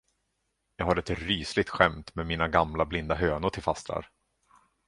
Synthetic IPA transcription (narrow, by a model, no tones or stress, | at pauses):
jɑːɡɦaɾɛt̪ɾyːslɪɡ̚t̪ɧɛmt̪mɛːmiːnaɡamlablɪnd̪aɦøːnʊʈʰɪlfast̪ɾa̰ɾ